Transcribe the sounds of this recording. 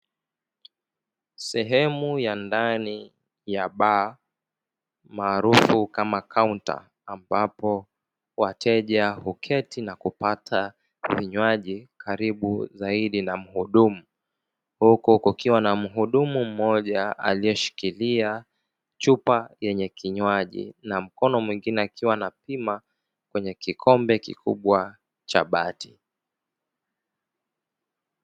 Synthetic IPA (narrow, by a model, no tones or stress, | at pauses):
sɛɦɛmujandani | jaɓa | maːɾufukamakʰaunta̰ː | mbapɔ | watʰɛʄahukʰɛtinakupatʰa | viɲwaʄikʰaɾiɓuzaiɗinam̩huɗumu | hukuhukukiwanam̩ɦuɗumum̩mɔʄaa̰lijɔʃi̥kilia | t͡ʃupajɛɲɛkiɲwaʄḭnam̩kɔnɔmwiŋɡinɛakʰiwanapima | kwɛɲɛkikʰɔmbɛkḭkʰuɓwa | t͡ʃa̰ɓati̥